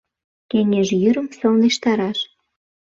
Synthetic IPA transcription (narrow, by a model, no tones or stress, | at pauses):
keŋeʒjyɾə̆msɤ̆lneʃt̪ɑɾɑʃ